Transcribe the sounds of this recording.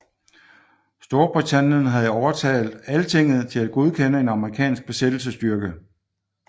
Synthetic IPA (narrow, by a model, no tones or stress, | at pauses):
sd̥o̝ɐb̥ʁit͡sʰænjən̩ɦæð̞ˠɒʊɐt͡sʰɛ̰ːld̥ˠælət͡sʰe̝ŋ̰ð̞̩ˠt͡sʰe̝læd̥̚ɡ̥oð̞ˠkʰenəe̝nɑ̈məʁikʰɛ̰ːnsɡ̥̚b̥e̝sed̥l̩s̬əsd̥yɐɡ̥ə